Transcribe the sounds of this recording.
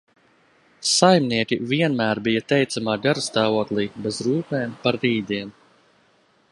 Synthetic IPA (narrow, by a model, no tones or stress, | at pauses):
sajmniɛkʲiviɛnmæːɾbijat̪ɛjt̪samaːɡaɾst̪aːvuɔklˠiːbɛzɾuːkɛmpaɾːiːd̪iɛm